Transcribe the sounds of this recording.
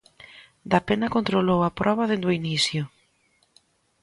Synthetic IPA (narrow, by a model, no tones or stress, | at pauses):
d̪apenɐkont̪ɾolowɐpɾɔβɐðend̪oinisjʊ